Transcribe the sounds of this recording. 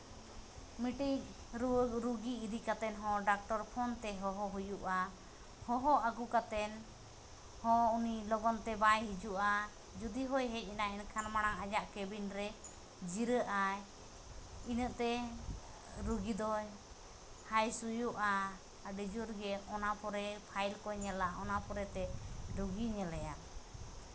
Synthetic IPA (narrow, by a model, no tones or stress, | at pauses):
miʈik | ɾɾuɡiːɾikat̪ɛnɦɔ̃ɖak̚ʈɔɾpʰɔnt̪ɛɦɔɦɔɦujuʔa | hɔɦɔʔaɡukat̪ɛn | hɔ̃unilɔɡɔnt̪ɛbajɦid͡ʒuʔa | d͡ʒud̪iɦɔjɦɛc̚ˀinainkʰanmaɽ̃aŋad͡ʒaʔkɛbinɾɛ | d͡ʒiɾəʔaj | inəʔt̪ɛ | ɾuɡid̪ɔ | hajsujuʔa | ɖid͡ʒuɾɡɛɔnapɔɾɛpʰajlkɔɲɛlaʔɔnapɔɾɛt̪ɛɖuɡiɲɛlɛja